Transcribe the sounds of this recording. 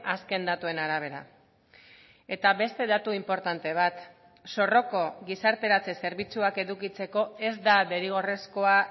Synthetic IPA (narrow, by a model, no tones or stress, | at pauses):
aske̞nd̪at̪ue̞naɾaβ̞e̞ɾa̰ | e̞t̪aβe̞st̪e̞ðat̪uimpo̞ɾt̪ant̪e̞β̞at̪ | so̞ro̞ko̞ɣisaɾt̪e̞ɾat͡sese̞ɾβit͡suake̞ðukit͡se̞ko̞e̞zd̪ad̪e̞ɾiɣ̞o̞re̞sko̞a